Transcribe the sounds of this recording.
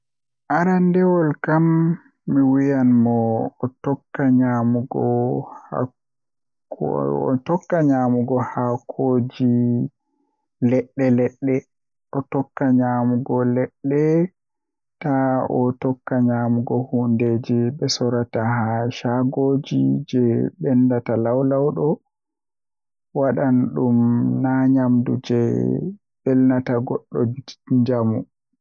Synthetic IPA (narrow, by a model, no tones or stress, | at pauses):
ʔaɾandɛwɔlkamː | iwijanmɔːtɔkːaɲamuɡɔha̰ | tɔkːaɲamuɡɔhakʰod͡ʒi | lɛɗːɛlɛɗːɛ | ɔtɔkːaɲamuɡɔlɛɗːɛ | taɔtɔkːaɲamuɡɔhunded͡ʒiɓɛsɔɾatahaʃaɡoːd͡ʒid͡ʒɛɓɛndatalawlawɗɔ | waɗanɗumnaɲamdṵd͡ʒɛ | bɛlnataɡɔɗːɔ̰bi̥ɲd͡ʒamṵ